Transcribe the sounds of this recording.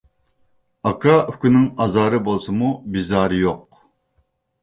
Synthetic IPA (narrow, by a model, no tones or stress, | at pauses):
ɑkʰɑykʲynɪŋɑzɑːɾɨbolˠsɨmubizɑːɾɨjoq̚